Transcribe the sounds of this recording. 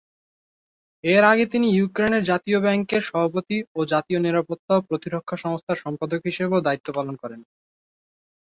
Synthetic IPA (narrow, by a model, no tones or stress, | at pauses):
eɾaɡet̪inijukɾeneɾd͡ʑat̪iobɛŋkeɾʃɔbʱapot̪iod͡ʑat̪ioniɾapot̪ːaopɾot̪iɾokʰːaʃɔŋost̪ʰaɾʃɔmpad̪okɦiʃebeod̪ait̪ːopalonkɔɾen